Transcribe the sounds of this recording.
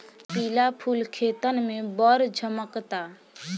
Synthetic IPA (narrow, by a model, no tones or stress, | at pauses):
pilapʰulkʰet̪ənmẽbəɾd͡ʒʱəməkt̪a